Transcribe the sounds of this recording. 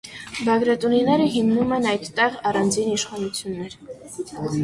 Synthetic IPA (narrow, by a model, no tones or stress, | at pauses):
bɑɡɾɑt̪uninɛɾəɦimnumɛnɑjt̪ːɛʁɑrɑnd͡ziniʃχɑnut͡sʰjunːɛɾ